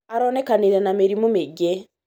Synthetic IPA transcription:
aɾoːnekaniɾenameɾimumeɡe

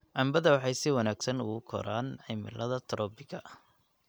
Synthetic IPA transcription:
ʕɑmbɐðɐwɑħɑjsɪwɐnaːɡsɐnʊɣʊkʰɔ̰ɾaːnʕɛmɪ̰lʔɐðɐt̪ʰɾɔːbɪɣɐ

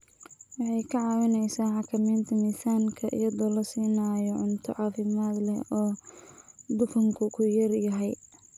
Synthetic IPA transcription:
wɑħɑjkʰɐʕɑːwɪnɛjsaːħɑkʰɐmɛːnt̪ʰɐmiːsaːŋkʰɐʔɪ̰jɐðɔːlɐsiːnaːjɔʕʊnt̪ʰɔʕɑːfɪmaːd̪lɛ̰ɔː | d̪ʊkʰɐŋkʰʊkʰʊjɐrjɐɦɛj

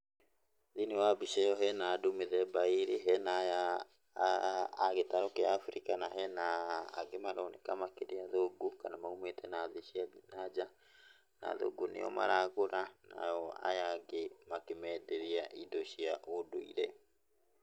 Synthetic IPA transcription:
ðinewabiʃɛjɔɦɛnaːdomeðɛbaiɾeɦɛnaja | ɣetaɾokeaːfɾikanaɦɛna̰ːɡemaɾɔnekamakeɾeaðoɡukanamaumetɛnaðianad͡ʒa | na̰ðo̰ɡunḛɔ̰ma̰ɾaɣoɾana̰jɔa̰jaɡemakemɛːdeɾiaʔidoɕiaʔodoḭɾɛ

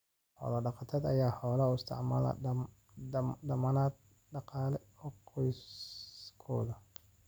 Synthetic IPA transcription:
hɔ̰ːlɐɖɑqɑt̪ʰɐd̪ɐjaːħɔːlɐɪst̪ʰɑ̰ʕmɐ̰lɐ̰ | dɐmɐnaːd̪̚ | ɖɑqɑːlɛhɔqʰɔjs | kʰɔ̰ːðɐ

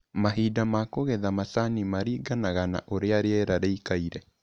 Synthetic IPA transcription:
maɦidamakoɣɛðamasanimaɾiːɡanaɣana̰ʔoɾeaɾeɛɾaɾeikaiɾɛ

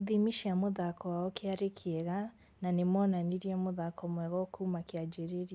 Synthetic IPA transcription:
ðimiʃiamoðakʰɔwaɔkeaɾekʰeɛɣa | nanemɔnaniɾiɛmoðakʰɔmwɛɣɔkumakiad͡ʒɛɾeɾi

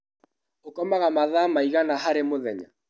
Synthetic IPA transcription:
okɔmaɣamaðaːmaiɣanaɦaɾemoðɛɲa̰

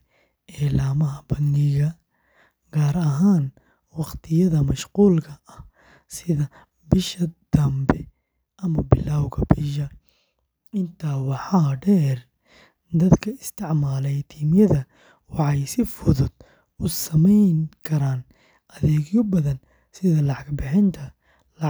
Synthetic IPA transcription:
ʔɛːlaːmɐɦɐbɐnːɪɣɐ | ɡaːɾɐɦaːn | wɑqt̪ʰɪjɐðɐmɐʃquːlkʰɐʔɐh | sɪðɐ | bɪʃɐd̪̥ɐmbɛ | ʔɐmɐbɪlawɣɐbɪʃ̬ɐ | ɪnt̪ʰawɑħɑːɖɛːr | d̪ɐd̪kʰɐɪst̪ʰɪʕmaːlɛjt̪ʰiːmjɐðɐ | wɑħɑjsɪfʊðʊd̪̥ | ʊsɐmɛjŋkʰɐɾaːn | ʔɐðɛːɡjʊbɐðɐn | sɪðɐlɑʕɑɡbɪħɛnt̪ʰɐ | l

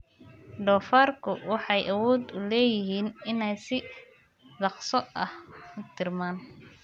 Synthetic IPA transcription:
ɖɔːfaːrkʰʊwɑħɑjʔɐwɔːd̪ʊlɛːjɪɦiːnɪnɛjsɪ | dɑqsɔɐhʊt̪ʰɪrmaːn

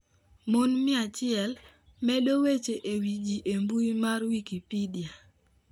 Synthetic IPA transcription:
monmɪat͡ʃɪɛl | mɛɗowet͡ʃeʔewid͡ʒiʔembuimarwikipidia

